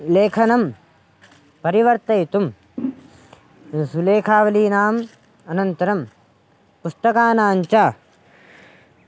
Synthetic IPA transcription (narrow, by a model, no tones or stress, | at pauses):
leːkʰɐnɐm | pɐɾiʋɐɾt̪ɐjt̪um | suleːkʰaːʋɐliːnaːm | ɐnɐnt̪ɐɾɐm | pust̪ɐkaːnaːɲt͡ʃaː